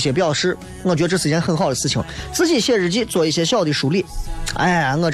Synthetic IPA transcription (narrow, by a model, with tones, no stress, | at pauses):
ɕjɛ˧˩pjɑ˥˩ʊʂɻ̩˥ŋ˥˩t͡ɕɛ˧˥˧ʈ͡ʂt͡sʰɹ̩˨˩ɛ˥xə˥˩nxɑ˥˩ʊd̪ə˩t͡sʰɹ̩˥˩t͡ɕʰḭ˧˥ŋt͡sɹ̩˥˧t͡ɕi˥˩ɕjɛ˥˩ɻ̩˧˩t͡ɕi˥t͡swɔ˥˧i˥˩ɕjɛ˥ɕjɑ˥˧ʊt̪i˥˩ʂu˧˥li˥˩a̰˥˩ɪa˧˥ŋɤ˥˩ʈ͡ʂ